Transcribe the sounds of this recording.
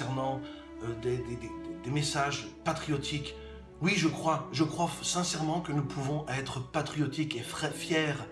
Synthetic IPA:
ɛʁnɑ̃ | ød̪ed̪ed̪ed̪emesaʒpat̪χijɔt̪ʰik | wiʒəkχwaʒəkχwasɛ̃sɛʁmɑ̃kənupʰuvɔ̃ʔɛt̪χəpat̪χijɔt̪ikeɛfjɛːʁ

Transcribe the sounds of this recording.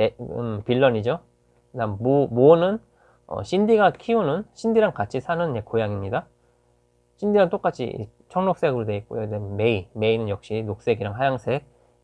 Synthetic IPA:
piɭːʌɲid͡ʑo | damomonɯn | ʌ̰ɕʰindiɡakʰionɯnɕʰindiɾankat͡ɕʰisʰanɯnd͡ʑekojaŋimɲida | ɕʰindiɾant͈ok͈at͡ɕʰḭḭ | t͡ɕʰʌŋnok̚s͈e̞ɡɯɾodweik̚k͈ojodeme̞ime̞inɯnjʌk̚ɕ͈inok̚s͈e̞ɡiɾaŋɦajaŋsʰe̞k̚

